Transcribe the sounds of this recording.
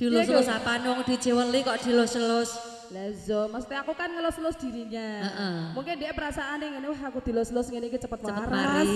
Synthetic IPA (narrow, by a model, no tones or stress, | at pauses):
d̪̥i̤lʊslʊsapanɔŋd̪̥i̤̥d͡ʒ̥e̤wənlikɔʔd̪̥i̤lʊsəlʊs | lɛzɔmast̪eakukanŋəlʊsəlʊsd̪̥i̤ɾiɲaəʔəmuŋkendɛʔpəɾasaʔːneŋɛnewɦakud̪̥i̤lʊslʊsŋɛnekit͡ʃəpət̪̚wəaəɾaɾs